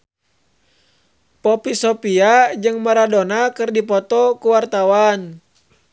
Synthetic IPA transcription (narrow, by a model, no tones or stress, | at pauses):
pɔpisɔpiad͡ʒɨŋmaɾadonakɨrdipɔt̪ɔkuwart̪awan